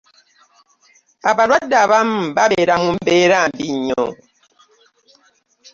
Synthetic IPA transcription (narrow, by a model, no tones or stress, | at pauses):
abalwadabambabeɾamum̩beɾambiɲɔ̰